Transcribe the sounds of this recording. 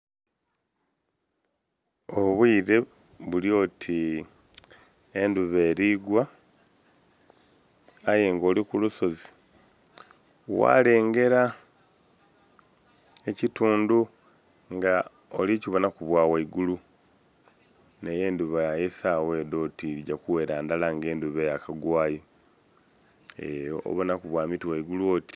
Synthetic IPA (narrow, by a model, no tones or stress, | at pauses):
oβwiːɾe̞ | βulio̞ːtʰi | enduβe̞ːɾiːɡwa | ajeŋɡo̞ːlikuluso̞zi̥ | wa̰le̞ːŋɡe̞ɾa | e̞cituːndu | ŋɡa | oliciβo̞nakuβwaːwaiɡulu | neje̞ːnduβajesaːwe̞ːdo̞tiɟakuwe̞ːɾaːndalaŋɡe̞ːnduβejakaɡwaːjo | ḛjo̰ʔo̰βonakuβwaːmitiwaiɡuluo̞ːti̥